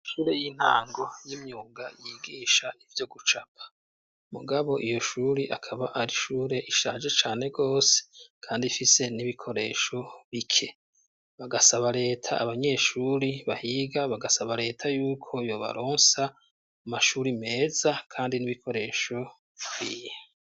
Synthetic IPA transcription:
ʃuːɾe̞jin̥ha̰ːŋɡo̞jimɲuːɡajiːɡiːʃaivjo̞ɡut͡ʃapʰḁ | mṵɡaβo̞ʔijo̞ʃuːɾiʔakʰaβaʔaɾiʃuːɾe̞ʔiʃaːʒe̞t͡ʃaːne̞ɡo̞ːse̥kʰaːndifise̞niβikʰo̞ɾe̞ːʃo̞βikʰe̞ | βaɡasaβaɾe̞ːtʰa̰a̰βaɲe̞ʃuːɾiβahiɡaβaɡasaβaɾe̞ːtʰajuːkʰo̞jo̞βa̰ɾo̞ːnsa | umaʃuːɾime̞ːzakʰaːndiniβikʰo̞ɾe̞ːʃo̞ | wiːje

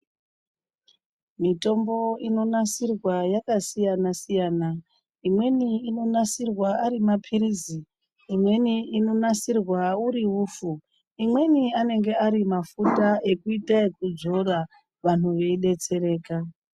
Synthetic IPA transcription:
mito̞mbo̞ino̞nasirwajakasijanasijaːna | imwe̞niːno̞nasirwaaɾimapʰiriziː | mwe̞niino̞nasirwauɾiuːfu | imwe̞niane̞ŋɡe̞aɾimafutae̞kuitakud͡zo̞ra | ʋan̤uʋe̞iɗe̞t͡se̞ɾe̞ːka

